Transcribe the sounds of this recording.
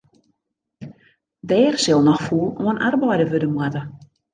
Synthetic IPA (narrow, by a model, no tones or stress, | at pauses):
dɛːrsɪlˠnɔxfuːloənʔarbɔjdəʋødəmwɛtə